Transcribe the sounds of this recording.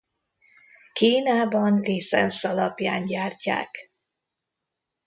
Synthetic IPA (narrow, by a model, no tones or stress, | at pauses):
kiːnaːbɒnlisɛ̰nsɒlɒpjaːɲɟaːrca̰ːk